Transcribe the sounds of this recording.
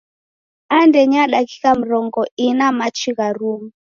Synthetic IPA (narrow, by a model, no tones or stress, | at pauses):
andɛɲaɗaki̥kam̩ɾɔŋɡɔinamat͡ʃiɣaɾumu